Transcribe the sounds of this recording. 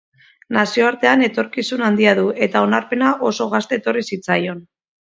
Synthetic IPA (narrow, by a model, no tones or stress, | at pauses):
nasio̞aɾt̪e̞ane̞t̪o̞ɾkisunand̪iaðue̞t̪ao̞naɾpe̞naʔo̞so̞ɣ̞ast̪e̞ːt̪o̞risit͡sajo̞n